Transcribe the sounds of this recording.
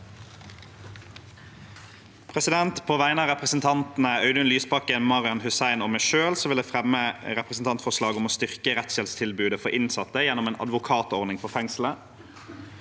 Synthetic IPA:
pʰʁɛsɪd̪ɛnt̪pʰoːʋæɪənəɑːʁɛpʁəsn̩t̪ʰɑnt̪n̩əɑʉd̪ʉnlyːspɑkənmɑʁɪɑnhʉsæɪnoːmæɪʃøːlsoʋɪld̪eːfʁɛməʁɛpʁəsn̩t̪ɑnt̪fɔʁʂlɑːɡʊmoːst̪ʏʁkəʁɛt̪sʃɛlst̪ʰɪlbʉːd̪əfɔʁɪnsɑt̪əjɛnʊmeːnʔɑ̰d̪ʋʊkʰɑːt̪ɔʁnɪŋfɔʁfɛŋslə

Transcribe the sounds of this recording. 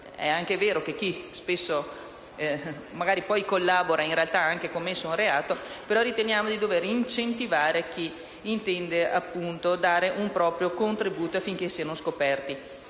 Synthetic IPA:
ɛ̰aŋk̟eveːɾokek̟ːispesːo | maɡaːɾipɔjkolːaːboɾainrealt̪aaŋkekomːesːounreaːt̪opeɾɔɾit̪enjaːmod̪id̪oveɾint͡ʃent̪ivaːɾek̟iː | nt̪ɛnd̪eʔa̰pːunt̪od̪aːɾeʔumpɾɔːpɾjokont̪ɾibuːt̪oafːiŋk̟esiːanoskopɛrt̪i

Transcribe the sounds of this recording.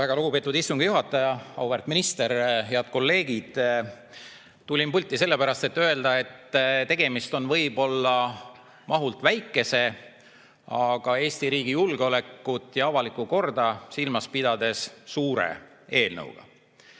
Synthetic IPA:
æɡ̥ɑluɡupeːt̪ːˑud̪ist̪uŋɡ̥juɦɑt̪ːˑɑjɑɑwvert̪minist̪e̞ɾeɑt̪̚ko̞lːe̞ːɡid̪̥ | t̪ulʲimpulʲt̪ːˑiselːe̞pæɾɑst̪e̞t̪ːø̞e̞ld̪ɑe̞t̪ːt̪e̞ɡ̥e̞mist̪o̞nvɤ̞jbo̞lːɑ | mɑɦult̪væjkˑːe̞se̞ | ɑɡ̥ɑe̞ːsʲt̪iɾiːɡ̥ijulɡeo̞le̞kːˑut̪ːˑjɑɑvɑlikːˑuko̞rd̪̥ɑsilmɑspid̪̥ɑd̪e̞ssuːɾḛ | e̞ːlnə̰wɡ̥ɑ̰

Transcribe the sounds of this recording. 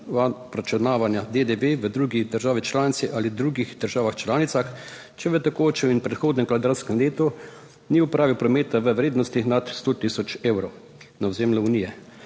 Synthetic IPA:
ʋapɾat͡ʃɛnaːʋanjad̪ed̪eʋeʋəd̪ɾuːɡid̪əɾʒaːʋit͡ʃlaːnit̪siʔaːlid̪ɾuːɡixd̪̥əɾʒaːʋaxt͡ʃlaːnit̪sax | t͡ʃɛʋət̪ɛkoːt͡ʃɛminpɾɛt̪xoːd̪nɛkʋad̪ɾaɾskɛmleːt̪ɔ | niupɾʔaːʋiwpɾɔmeːt̪aʋəʋɾeːd̪nɔst̪ixnat̪st̪ot̪isɔt͡ʃeːwɾɔw | nawzeːmlɔunijɛ

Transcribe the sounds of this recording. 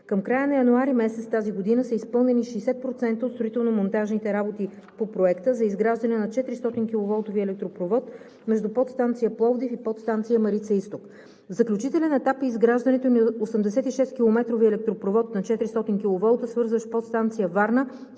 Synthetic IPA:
kəmkɾajənɐjɐnuaɾimɛsɛt̪st̪aziɡod̪inəsɐispɤlˠnɛniʃɛjsɛt̪̚pɾot̪sɛnt̪əot̪st̪ɾoit̪ɛlˠnomont̪aʒnit̪ɛɾabot̪i | popɾoɛkt̪əzɐizɡɾaʒd̪ɐnɛnɐt͡ʃɛt̪ɾist̪ɔt̪inkʲilˠovɔlˠt̪oviɛlɛk̚t̪ɾopɾovɔt̪ | mɛʒd̪upɔt̪st̪ant̪sijəplˠɔvd̪ifipɔt̪st̪ant̪sijəmɐɾit̪səist̪ok | vzɐklʲut͡ʃit̪ɛlɛnɛt̪apizɡɾaʒd̪ɐnɛt̪onɐosəmd̪ɛsɛt̪iʃɛst̪̚k̟ʲilˠomɛt̪ɾoviɛlɛk̚t̪ɾopɾovɔt̪nɐt͡ʃɛt̪ɾist̪ɔt̪inkʲilˠovɔlˠt̪əsvɤɾzvəʃpɔt̪st̪ant̪sijəvaɾnə

